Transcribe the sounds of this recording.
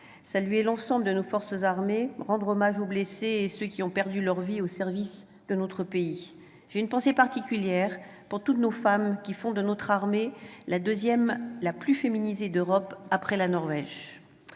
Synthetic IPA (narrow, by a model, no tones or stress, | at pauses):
salɥelɑ̃sɑ̃bləd̪ənofɔʁsəzaʁmeʁɑ̃d̪ʁɔmaʒobleseesøkʲiɔ̃pɛʁd̪ylœʁviosɛʁvis | d̪̥ənot̪χəpei | ʒ̥eynpɑ̃sepaʁt̪ikʲyljɛʁpuʁt̪ut̪nofamkʲifɔ̃d̪ənot̪χaʁmelad̪øzjɛmlaplyfeminized̪øʁɔpapχɛlanɔʁvɛʒ